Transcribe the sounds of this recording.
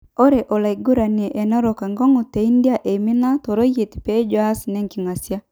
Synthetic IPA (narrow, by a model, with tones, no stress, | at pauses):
o˦ɾɛ˨ʔo˨la˨i˨ɡu˦ɾa˨n˨e˨ʔɛ˨nɔ˦ɾɔ˨ka˨ŋɡɔ˦ŋu˨te˨i˦ndi˦a˦˨ʔe˨mi˦na˦tɔ˨ɾo˦je˨ti̥˨pe˦d͡ʒo˦a˦si˨nɛ˦ŋki˨ŋa˨sja˦